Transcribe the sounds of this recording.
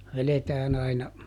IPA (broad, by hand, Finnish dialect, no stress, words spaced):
ʋeletæːn ɑinɑ